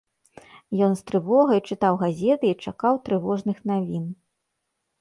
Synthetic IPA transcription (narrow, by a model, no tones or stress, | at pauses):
jɔnst̪ɾɨvɔɣɐjt͡ʂɨt̪awɣazʲɛt̪ɨit͡ʂakawt̪ɾɨvɔʐnɨxnavʲin